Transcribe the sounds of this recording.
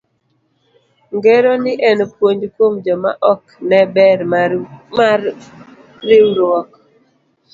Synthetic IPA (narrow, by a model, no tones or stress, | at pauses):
ŋɡeɾɔnɪʔɛnpwoɲd͡ʒkomd͡ʒɔma̰ʔɔknɛbɛɾma | ɪwɾwɔk